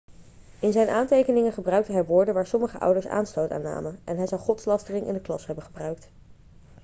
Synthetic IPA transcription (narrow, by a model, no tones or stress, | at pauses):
ɪnzɛjnʔaːntejkənɪŋənχəbrœɥk̚təɦɛjʋʊːɹdənʋaːɹsɔməχəʔʌ̰wdəɹsa̰ːnstowta̰ːnːa̰ːmənʔɛnɦɛjzɑwχɔtslɑstərɪŋʔɪ̰ndəklɑ̰sɦɛbənχəbrœɥk̚t